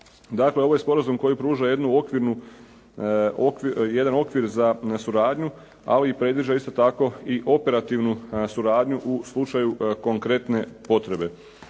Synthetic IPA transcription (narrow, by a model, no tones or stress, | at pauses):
d̪akle̞o̞ʋo̞je̞spo̞ɾazumko̞jipɾuːʒaje̞d̪nuo̞kʋiɾnu | okʋije̞d̪ano̞kʋiɾzasuɾaːd̪ɲu | a̰liːpɾe̞d̪ʋiʒaist̪o̞t̪ako̞iʔo̞pe̞ɾat̪iʋnusuɾaːd̪ɲuʔuslˠut͡ʃajuko̞ŋkɾe̞t̪ne̞po̞t̪ɾe̞be̞